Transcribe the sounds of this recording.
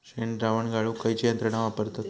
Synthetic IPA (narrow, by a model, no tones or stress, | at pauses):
ʃeɳɾaʋəɳɡaɭukəjt͡ɕijənt̪ɾəɳaʋapəɾt̪ot̪